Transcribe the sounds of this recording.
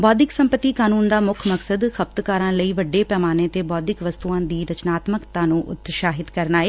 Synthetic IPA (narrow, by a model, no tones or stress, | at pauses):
bɔːd̪ɪksəmpət̪ːiːkaːnuːnd̪aːmʊkʰməksəd̪xəp̚t̪kaːɾãːləiːʋəɖːeːpɛːmaːneːt̪eːbɔːd̪ɪkʋəst̪uːãːd̪iːɾət͡ʃnaːt̪məkt̪ãːnũːʔʊ̰t̪ʃaːɦɪt̪kəɾnaːeː